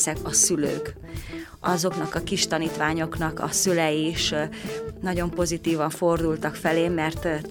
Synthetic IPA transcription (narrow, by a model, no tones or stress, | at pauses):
sɛkɒsylø̰ːk | ʔɒzo̞knɒkɒkiʃt̪ɒniːt̪ʋaːɲo̞knɒkɒ̰sylɛjiʃ | nɒɟo̞mpo̞zit̪iːvɒɱfo̞rd̪ult̪ɒkfɛleːmɛrt̪